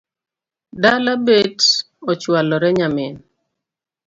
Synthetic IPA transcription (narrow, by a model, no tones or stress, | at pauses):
dalabet | ɔt͡ʃwalɔɾɛɲamɪn